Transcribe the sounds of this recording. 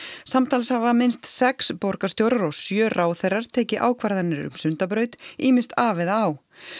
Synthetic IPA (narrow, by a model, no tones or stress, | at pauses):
samt̪ʰaːlshavamɪnst̪sɛkspowɾkast̪jowɾðaɾɔɣsjœːrʔaːwθejraɾ̥t̪ʰeːjcɪʔaːwkʰvaɾðɛnːɪɾɾʏ̰msʏnt̪ap̬ɾœːɥt̪iːmɪst̪aːvɪðaaːw